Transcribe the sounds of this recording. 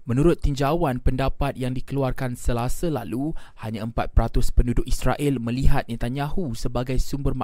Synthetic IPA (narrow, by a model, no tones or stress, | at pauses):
mə̃nuɾʊt̪ːiɲd͡ʒawanpəndapat̪̚jaŋdikəluarkansəlasəlaluhaɲãəmpat̪̚pəɾat̪ʊspəndudʊʔisɾaʔɪlmə̃liɦat̪̚nĩt̪aɲãhusəbaɡajsumbərma